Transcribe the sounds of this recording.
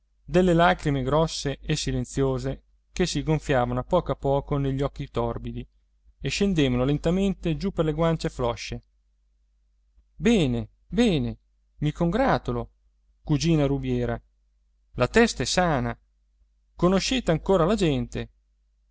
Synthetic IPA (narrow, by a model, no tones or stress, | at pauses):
d̪elːelaːkɾimeɡɾɔsːeʔesːilent̪sjoːze | k̟esːiɡoɱfjaːvanoapːɔːkoapːɔːkoneʎːɔkːit̪ɔrbid̪i | eʃːend̪eːvanolent̪ament̪ed͡ʒupːerleɡwant͡ʃeflɔʃːe | bɛːne | bɛːne | mikoŋɡɾaːt̪ulo | kud͡ʒiːnaɾubjɛːɾa | lat̪ɛst̪aɛsːaːna | konoʃeːt̪eaŋkoːɾalad͡ʒɛnt̪e